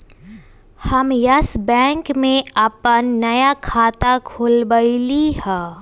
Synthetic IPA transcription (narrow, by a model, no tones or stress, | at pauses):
hɐmjɐsbɛ̃ːŋkmẽɐpənːɐjakʰaːt̪akʰoːlbəilihɛ̃ː